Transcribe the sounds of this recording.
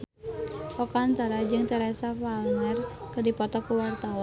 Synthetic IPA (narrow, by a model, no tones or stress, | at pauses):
pɔkaant̪aɾad͡ʒɨŋt̪əɾasafalnɛrkɨrdipɔt̪ɔkuwart̪awan